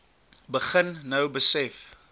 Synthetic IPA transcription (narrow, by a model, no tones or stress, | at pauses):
bəχənːəwbəsɛf